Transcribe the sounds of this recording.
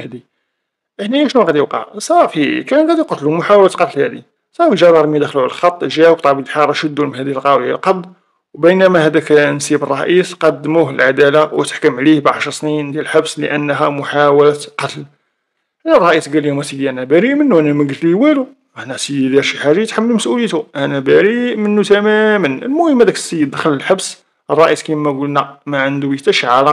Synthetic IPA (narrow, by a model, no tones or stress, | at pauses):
hd̪i | ʔəħniʔæʃnuɣæd̪ijəwqɑ̰ʕsˤɑɾˤfikænɣæd̪iqɑt̪lumʊħawlæt̪qɑt̪lhæd̪i | sˤɑɾˤfiʒɑɾˤɑɾˤmid̪æxluʕləlxɑt̪ˤːʒæwbt̪ˤɑʕbilħɑɾˤʃəd̪ːumənhæd̪iəlqɑwə̰lqɑbl | wbəjnæmæhæd̪æknsibərˤːɑʔisqɑd̪ːmuhəlʕad̪ælawət̪ə̥ħkəmʕlihbʕaʃɾˤsnind̪jælħabslə̰ʔənːɦæmʊħawəlæt̪qɑt̪əl | ʔænærˤːɑʔisɡælihmæsid̪iʔænæbæɾiʔmənːuʔænæmæɡət̪liwælu | aʔnæsəd̪id̪æʃiħaʒat̪ħamːəlməsʔuləjt̪uʔænæbæɾiʔmənːut̪æmæmənəlmʊhəmːæd̪ækə̥sːəjːəd̪əxələlħabs | ʔərˤːɑʔiskimːæɡulnæmæʕənd̪uwit̪æʃʕaɾɑ